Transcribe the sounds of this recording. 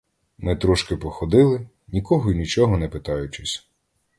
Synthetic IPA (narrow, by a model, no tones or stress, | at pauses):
mɪt̪ɾɔʃkɪpɔxɔd̪ɪlˠɪ | nʲikɔɦɔinʲit͡ʃɔɦɔnɛpɪt̪ɑjʊt͡ʃɪsʲ